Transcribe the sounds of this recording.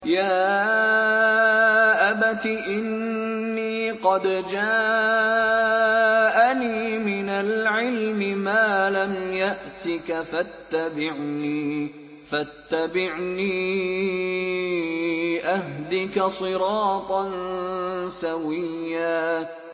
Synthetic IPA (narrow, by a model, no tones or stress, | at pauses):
jaː | ʔabat̪iʔɪnː | iːqɑd̪d͡ʒaː | ʔaniːmɪnalʕɪlmɪmaːlamjaʔt̪ɪkafat̪ːabɪʕniː | fat̪ːabɪʕniː | ʔahd̪ɪkasˤɨɾɑːt̪ˤɑn | sawɪjːaː